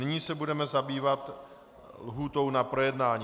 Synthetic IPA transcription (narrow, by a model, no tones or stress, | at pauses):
nɪɲiːsɛbudɛmɛzabiːvat̪ | lɦuːt̪o̞wnapɾo̞jɛdnaːɲi